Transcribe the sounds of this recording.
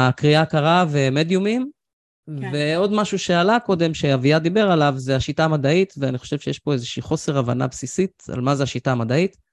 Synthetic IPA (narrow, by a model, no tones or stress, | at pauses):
akʁiakaʁavemed̪jumim | veo̞d̪maʃuʃe̞alako̞d̪e̞mʃeaviad̪ibe̞ʁalavzeaʃitaːmad̪aitveaniχo̞̥ʃevʃejeʃpo̞ezeʃiːχo̞se̞ʁavana̰bsisit̪a̰lmazeaʃitaːmad̪ait̪